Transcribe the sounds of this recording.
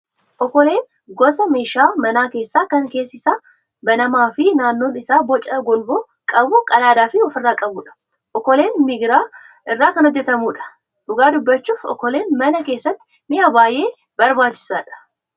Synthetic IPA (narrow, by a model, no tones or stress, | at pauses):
ʔɔkːɔle̞ːn | ɡɔsɐmeːʃaːmɐnaːke̞ːsːaːkɐŋke̞ːsːɪsaː | bɐnɐmaːfɪnaːnːo̞ːnɪsaːbɔt͡ʃʼːɐɡɔlboː | kʼɐbʊkʼɐlaːd̪aːfɪɔfɪrːaːkʼɐbuːᶑɐ̥ | ʔɔkːɔle̞ːnmɪɡɾaː | ʔɪrːaːkɐnhɔd͡ʒːɛt̪ɐmuːᶑɐ̥ | ᶑʊɡaːd̪ʊbːɐt͡ʃːuːfɔ̰kːɔle̞ːnmɐnɐke̞ːsːɐt̪ːɪ̥ | mɪaːbaːjʔe̞ː | bɐɾbaːt͡ʃːɪ̥saːᶑɐ̥